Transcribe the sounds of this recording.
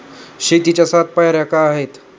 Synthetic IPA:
ɕet̪it͡ɕasat̪̚pajaɾjakaaɦet̪

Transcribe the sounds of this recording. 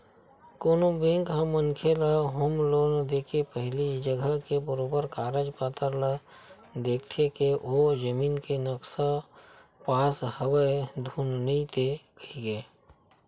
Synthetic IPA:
koːnobẽŋkɦəmənkʰeləɦəmloːnd̪eːkʰepəɦɪlid͡ʒəɡʱəkebəɾoːbəɾkaːɾəd͡ʒpaːt̪əɾlə | d̪eːk̚ʰt̪ʰekeʔod͡ʒəmiːnkenəksə | paːshəwəed̪ʱuːnniit̪ekəiɡeː

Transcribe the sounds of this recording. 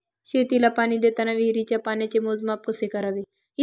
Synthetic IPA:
ɕet̪ilapaɽ̃id̪et̪anaʋiɦɾit͡ɕjapanjat͡ɕemod͡zmap̚kəsekəɾaʋe | i

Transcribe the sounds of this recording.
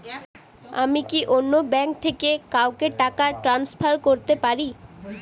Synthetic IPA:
a̰mikiʔonːobɛŋk̚t̪ʰekekaokeʈakaʈɾanspʰaɾkoɾt̪epaɾi

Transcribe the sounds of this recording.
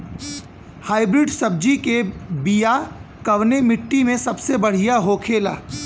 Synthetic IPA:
haːɪbɾɪɖsɐb̚d͡ʒikebijakɐʋnemɪʈːimẽsɐbsebɐɽ̤ijaɦoːkʰeːla̰ː

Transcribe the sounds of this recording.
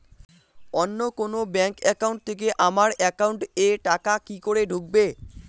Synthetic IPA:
ɔnːokonobɛŋkɛkauɳʈ̚t̪ʰek̬eʔamaɾɛkauɳʈeʈakakikoɾeɖʱuk̚be

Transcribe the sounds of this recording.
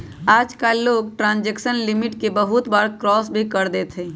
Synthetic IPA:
aːd͡ʒkalːoːɡ̚ʈɾãːnd͡ʒeksənlɪmɪʈkebəɦʊt̪baːɾkɾɔːsbʱikəɾd̪et̪ʰẽː

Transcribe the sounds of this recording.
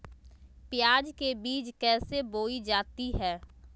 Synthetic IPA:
pɪjaːd͡ʒkebiːd͡ʒkɛːseboːid͡ʒaːt̪iɦɛː

